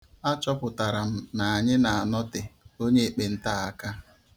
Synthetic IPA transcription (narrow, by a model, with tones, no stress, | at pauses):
a˦t͡ʃɔ˦pʊ˨ta˨ɾa˨m̩˦˨na˨a˨ɲɪ˦na˨a˨nɔ˦tɪ˨o˦ɲe˦e˨k͡pe˨n̩˦ta˦˨a˦ka˦